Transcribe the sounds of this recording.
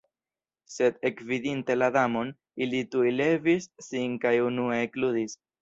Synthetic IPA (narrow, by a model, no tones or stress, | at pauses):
se̞d̪e̞kvidinte̞ladamo̞n | ilitujle̞visːinkajunueklud̪is